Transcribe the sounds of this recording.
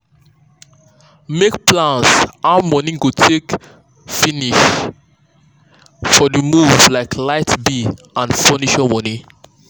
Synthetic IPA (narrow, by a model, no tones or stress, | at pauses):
mekplãnsʔaʊmɔnĩɡotʰek | finiʃ | fɔdimuvlaɪkʰlaɪtbiʔãnfɔniʃamɔnĩ